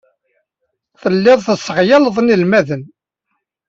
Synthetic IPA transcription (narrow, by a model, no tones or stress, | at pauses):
θəlːɪðˤθəsːəʁjɑləðˤnilmæðən